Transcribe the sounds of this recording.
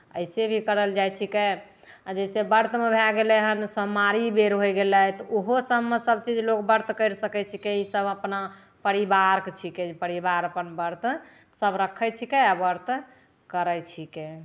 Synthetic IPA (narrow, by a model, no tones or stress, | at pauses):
əɪsebʱikəɾəld͡ʒajt͡ʃʰike | d͡ʒəsebəɾt̪mebʱɛɡeleɦənsəmaɾibeɾɦojɡelət̪ɔoɦosəbmesəbt͡ʃid͡ʒlokbəɾt̪kəɾsəkɛt͡ʃʰikeisəbəpna | pəɾibaɾkt͡ʃʰikepəɾibaɾəpənbəɾt̪ | səbɾəkʰət͡ʃʰikeabəɾt̪ | kəɾəjt͡ʃʰike